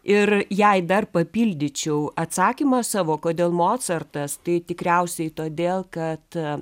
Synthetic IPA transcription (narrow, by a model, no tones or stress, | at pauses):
ɪrjɛɪd̪ɐrpɐpʲiːlʲd̪ʲɪt͡ʃʲɛʊɐt̪sɑːkʲimɐsɑːʋoːkoːd̪ʲeːlˠmoːt̪sɐrt̪ɐst̪ɐɪt̪ʲɪkɾʲɛʊsʲɛɪt̪oːd̪ʲeːlˠkɐt̪